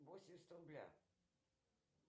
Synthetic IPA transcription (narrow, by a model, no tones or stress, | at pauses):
vosʲɪmʲst̪onblʲa̰